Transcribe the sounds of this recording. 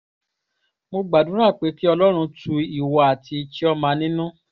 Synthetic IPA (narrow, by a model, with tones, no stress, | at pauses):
mo˧ɡ͡ba˨dũ˨˦ɾa˦˨k͡pe˨˦ki˦ɔ˧lɔ˦ɾ̃ũ˧tu˧i˨wa˨a˨ti˧t͡ʃi˦ɔ˧mã˧nĩ˦nũ˦